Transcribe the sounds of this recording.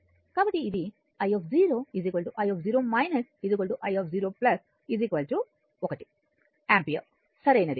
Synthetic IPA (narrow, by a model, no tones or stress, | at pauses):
kɐbɐʈiːd̪i | ɐjɔːfziːɾoːiziːkʋɐlʈuʔɐjɔːfziːɾoːmaɪnɐsiziːk̬ʋɐlʈuʔɐjɔːfziːɾoːplɐs | iziːkʋɐlʈu | ɔːkɐʈi̥ | aːmpijɐ̰ | sɐɾejnɐɾi